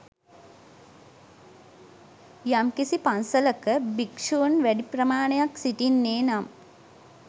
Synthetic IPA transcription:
jamkisipansələkəbikʂunʋæɖiprəmaːnejaksiʈinːeːnam

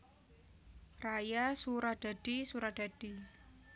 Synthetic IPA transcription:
rajasuɾad̥a̤ɖ̥isuɾad̥ad̥i

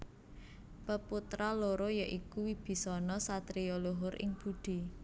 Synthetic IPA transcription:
pəput̪ɾaloɾojaʔikuwib̥i̤sɔnɔsat̪ɾioloɦʊɾʔɪ̰ŋb̥uɖ̪̥i̤

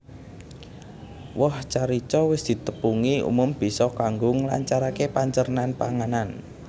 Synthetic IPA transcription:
wɔht͡ʃaɾit͡ʃɔwɪsd̪̥i̤t̪əpuŋiṵmʊmb̥i̤sɔkaŋɡʊŋla̰ɲt͡ʃaɾakepaɲt͡ʃərnanpa̰ŋanan

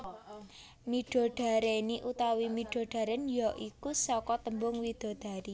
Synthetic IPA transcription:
miɖ̥ɔ̤ɖ̥a̤ɾeniʔut̪awimiɖ̥o̤ɖ̥a̤ɾɛnjɔʔikusɔkɔt̪əmbʊŋwid̪̥o̤d̪̥a̤ɾi

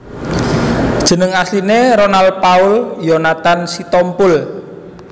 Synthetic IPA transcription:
d̥ʒ̥ə̤nəŋaslineɾonalpaʊljonat̪ansit̪ɔmpʊl

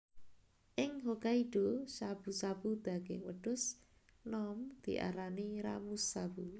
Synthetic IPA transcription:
ʔɪŋɦokaiɖ̥osab̥usabud̪̥a̤ɡ̥ɪŋwəɖ̥ʊ̤s | nɔmd̪̥ḭʔa̰ɾaniɾa̰musabu

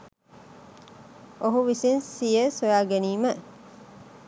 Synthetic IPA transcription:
oɦuʋisinsijesojaːɡeniːmə

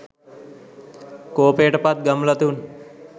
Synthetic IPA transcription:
koːpeːʈəpat̪̚ɡəmlət̪un

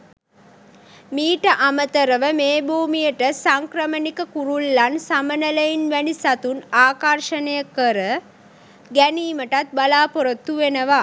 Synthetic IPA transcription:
miːʈəʔamət̪əɾəʋəmeːbʱuːmijəʈəsaŋkɾəmənikəkuɾulːansamənələjinʋænisat̪unaːkarʃənəjəkːəɾə | ɡæniːməʈat̪̚balaːpoɾot̪ːuʋenəʋa

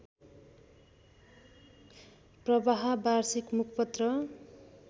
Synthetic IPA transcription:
prʌbaɦʌbarsikmukʰpʌt̪rʌ

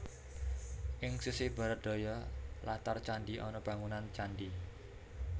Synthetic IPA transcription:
ʔɪŋsusɪhb̥a̤ɾət̪̚d̪̥o̤jɔlat̪art͡ʃandiʔɔnɔb̥a̤ŋunant͡ʃandi

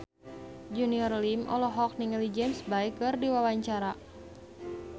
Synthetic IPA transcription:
d͡ʒuniɔrlimʔɔ̰lɔɦɔk̚niŋlid͡ʒɛmsbaikɨrdiwawaɲt͡ʃaɾa

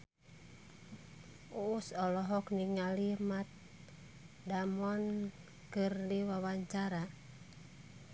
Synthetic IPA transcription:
uusɔlɔɦɔkniŋalimat̪̚ | damɔn | kɨrliwawaɲt͡ʃaɾa

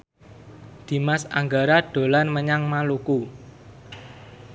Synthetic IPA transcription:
d̪̥i̤masa̰ŋɡaɾaɖ̥o̤lanməɲaŋmaluku

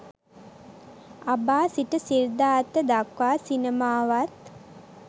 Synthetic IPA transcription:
abaːsiʈəsiɾd̪aːt̪ːəd̪akʋaːsinəmaːʋat̪̚

